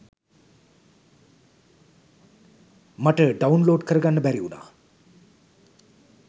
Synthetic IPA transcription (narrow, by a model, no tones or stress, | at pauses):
maʈəɖaunloːɖkəɾɡanːəbæɾiuna̰